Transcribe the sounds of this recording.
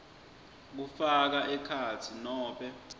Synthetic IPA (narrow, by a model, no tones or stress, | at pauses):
k̬ufak̬aʔɛkʰatʰinɔːɓɛ